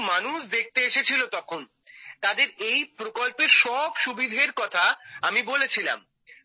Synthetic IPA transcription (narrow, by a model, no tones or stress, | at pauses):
manuʃd̪ek̚t̪eeʃet͡ɕʰilot̪ɔkʰon | t̪ad̪eɾejpɾokolpeɾʃɔbʃubid̪ʱeɾkɔt̪ʰaamibolet͡ɕʰila̰m